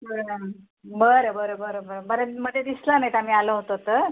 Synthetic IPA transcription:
əɾ | bəɾəbəɾobəɾobəɾbəɾeməɳed̪islanajt̪am̤iːaləɦot̪ot̪əɾ

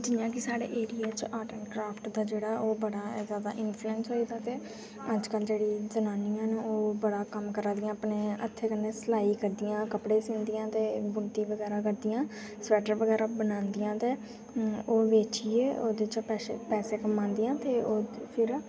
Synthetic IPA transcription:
d͡ʒɪjãːkɪsaːɽḛːʔeːɾijaːt͡ʃaːʈənkɾaːpʰʈd̪aːd͡ʒeːɽaːoːbəɽaːzjaːd̪a̰ːʔɪnpʰluɛ̃ːnsɦoːiːd̪aːt̪eː | əd͡ʒkəld͡ʒeːɽiːzənaːniːãːnoːbəɽaːkəmkəɾãːd̪ɪjãːapneːə̰t̪ʰːeːkənːeːsəlaːikəɾd̪ijãːkəpɽeːsɪ̃ːnd̪ijãːt̪eːbʊnt̪iːʋəɡɛːɾaːkəɾd̪ijãː | swɛːʈəɾʋəɡɛːɾaːbənãːnd̪ijãːt̪eː | oːʋeːt͡ʃieːoːd̪et͡ʃpɛːsepɛːseːkəmãːnd̪ijãːt̪eːoːpʰɪɾ

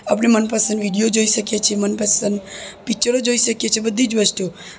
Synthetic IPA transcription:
apɳemənpasənʋiɽijod͡ʒoiʃəkjet͡ʃʰiemənpasənd̪pit͡ʃəɾod͡ʒoiʃəkjet͡ʃʰebəd̪ʱːid͡ʒʋəsʈijo

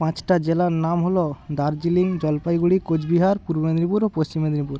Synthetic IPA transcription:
pãt͡ʃʈad͡ʒelanamɦolod̪aɾd͡ʒiliŋd͡ʒɔlpajɡuɽikod͡ʒbiɦaɾpuɾbed̪ɾipuɾopost͡ɕimed̪ɾipuɾ

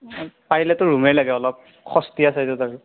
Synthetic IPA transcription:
paɹilɛtʊɹumɛlaɡɛɔlɔp̚ | xɔstiasɛtɛtaɹu

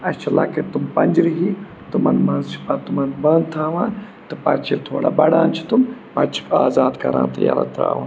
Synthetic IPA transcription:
ɐt͡ʃʰɐla̰ːket̪umpɐnʲd͡ʒɾiɦiː | t̪umɐnmɐ̃nzt͡ʃʰi̥pɐt̪umɐnbɐnt̪ʰaːʋãː | t̪ɨpɐt͡ʃʰit̪ʰoːɽa̰ːbɐɽãːnt͡ʃʰi̥t̪umpɐt͡ʃʰi̥kaːzaːd̪kɐɾã̰ːnt̪ɐja̰ːɾa̰t̪ʰɾa̰ːʋãː

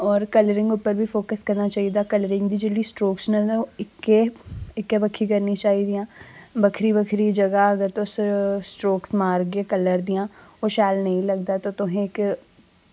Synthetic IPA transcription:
ɔːɾkɐləɾɪ̃ŋɡʊpəɾbʱifoːkəskɐɾnat͡ʃaːɦid̪akɐləɾɪ̃ŋɡd̪id͡ʒɪlisʈɾoːksnɐoɪkːeɪkːebɐkʰːikɐɾnit͡ʃaːɦid̪ijãːbɐkʰɾibɐkʰɾid͡ʒɐɡaɐɡəɾt̪ossʈɾoːksmaːɾɡekɐləɾd̪ijãːoʃaːlnɐɦĩlɐɡ̚d̪at̪ot̪ʊɦẽɪk

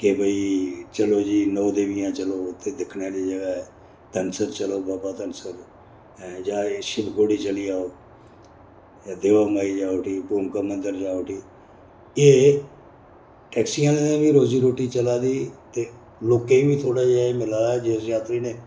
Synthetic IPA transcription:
kebʱəiːt͡ʃəloːd͡ʒiːnɔːd̪eːʋɪjãːt͡ʃəloːt̪ʰːeːd̪ɪkʰneːliːd͡ʒəɡaː | t̪ənsəɾt͡ʃəloːbaːbaːt̪ənsəɾ | d͡ʒaːeʃɪbɡoːɽiːt͡ʃəliːaːoː | jaːd̪eːʋaːmaːiːd͡ʒaːoːʈʰiːpuːmkəmənd̪əɾd͡ʒaːoːʈʰiː | eː | ʈɛːksijãːneːnẽːbiːɾoːziːɾoːʈiːt͡ʃəlaːd̪iːt̪eː | loːkeiːbiːt̪ʰoːɽaːd͡ʒaːeːmɪlaːɛːd͡ʒesjaːt̪ɾiːnẽː

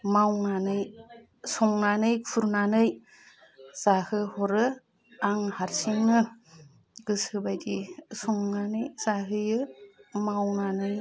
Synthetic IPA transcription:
mawnanɯj | sɔŋnanɯjkʰuɾnanɯj | z̥ahɯhɔɾɯ | aŋhaɾsiŋnɯ | ɡ̥ɯsɯbajdisɔŋnanɯjz̥aɦɯjɯmawnanɯj

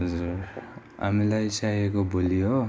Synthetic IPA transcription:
ɦʌd͡zur | a̰milajsajekobolijo

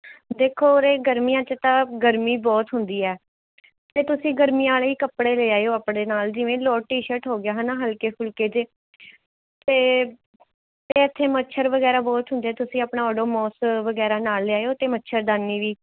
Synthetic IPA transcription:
d̪eːkʰoːoɾeːɡəɾmijãːt͡ʃət̪ãːɡəɾmiːbɔːt̪ɦʊnd̪iːɛː | t̪eːt̪ʊsĩːɡəɾmiːãːleːiːkəpɽeːleːaːeoːaːpɽeːnaːld͡ʒɪʋẽːlɔːʈiːʃəʈɦoːɡɪjaːɦɛːnaːɦəlkeːpʰʊlkeːd͡ʒeː | t̪eː | t̪eːɪt̪ʰːeːmətːʃʰəɾʋəɡɛːɾaːbɔːt̪ɦʊ̃nd̪ːɛːt̪ʊsĩːaːpɳaːəɖoːmɔːsʋəɡɛːɾaːnaːlːeaːejoːt̪eːmətːʃʰəɾd̪aːnːiːʋiː

